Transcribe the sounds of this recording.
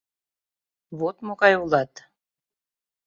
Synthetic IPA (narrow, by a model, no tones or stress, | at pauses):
βot̪moɣɑjulˠɑt̪